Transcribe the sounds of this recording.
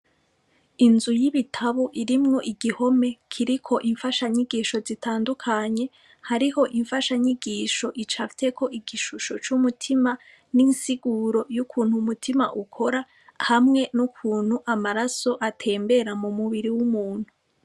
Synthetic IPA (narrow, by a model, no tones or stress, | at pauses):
inzujiβitʰaβoʔiɾimŋo̞ʔiɡiho̞me̞kʰiɾikʰo̞ʔiɱfaʃaɲiɡiːʃo̞zitʰaːndukʰaɲe̞ | haɾiho̞ʔiɱfaʃaɲiɡiːʃo̞ʔit͡ʃafi̥te̞kʰo̞ʔiɡiʃuʃo̞t͡ʃumutʰima | ninsiɡuɾo̞jukʰuːnhumutʰima̰ʔukʰo̞ɾa | hamŋe̞nukʰuːn̥huʔamaɾaso̞ʔatʰe̞ːmbe̞ɾamumuβiɾiwumuːn̥hu